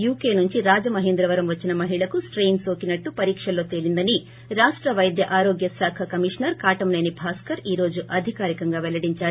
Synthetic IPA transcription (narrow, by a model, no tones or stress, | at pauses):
juːke̞ːnuɲt͡ʃiɾaːd͡ʒɐmɐɦend̪ɾɐʋɐɾɐmʋɐt͡ʃːinɐmɐɦiɭɐkusʈɾejnso̞ːkinɐʈːupɐɾiːkʂɐlo̞ːt̪e̞ːlind̪ɐni | ɾaːʂʈɾɐʋɐjd̪jɐʔaːɾo̞ːɡjɐsaːkʰɐkɐmiʂnɐɾkaːʈɐmnɐjnibʱaːskɐɾiːɾo̞ːd͡ʒuʔɐd̪ʱikaːɾikɐŋɡaːʋɛlɐɽiɲt͡ʃaːu